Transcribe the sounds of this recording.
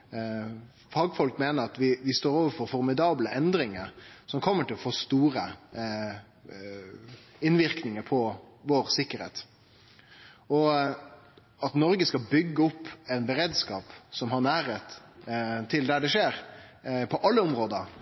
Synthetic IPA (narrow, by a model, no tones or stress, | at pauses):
fɑːɡfɔlkmeːnəɾɑt̪ʋɪʋɪst̪oːɾoːʋəɾfɔɾfɔɾmɪd̪ɑːbləʔɛnd̪ɾɪŋəɾsɔmkʰɔmːəʈɪlɔfoːst̪uːɾə | ɪnʋɪɾknɪŋəɾpʰɔʋoːɾsɪkːəɾhḛːt̪ | ɔ | ɑt̪nɔɾɡəskɑlbʏɡːəɔpːɛnbəɾeːd̪skɑːpsɔmɦɑɾnæːɾət̪ | t̪ʰɪld̪æɖɛʂeːɾpʰɔʔɑlːəɔmɾoːd̪əɾ